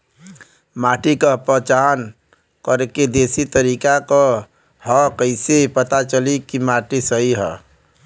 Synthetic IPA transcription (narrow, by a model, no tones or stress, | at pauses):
maːʈikəpət͡ʃaːn | kəɾeked̪eːsit̪əɾiːkaka | hɔkəɪsepət̪at͡ʃəlikimaːʈisəɦiɦɛ̰